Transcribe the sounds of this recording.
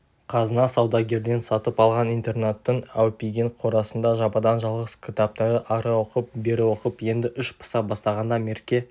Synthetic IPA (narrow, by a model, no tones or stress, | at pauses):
qʰɑzənɑsɑwd̪ɑɡʲe̞ɾd̪e̞nsɑt̪əpɑlˠʁɑnijnt̪e̞rnat̪ːəɴæwpʲiɡʲeɴqʰo̞ɾɑsənd̪ɑʒɑpɑd̪ɑnʒɑlˠʁəskʲʰɪt̪ap̚t̪ɑɾəʔɑɾɑwo̞qəp̚be̞ɾɪwo̞qəpje̞nd̪ɪʔʏʃpʰə̥sɑbɑst̪ɑʁɑnd̪ɑme̞ɾkʲe̞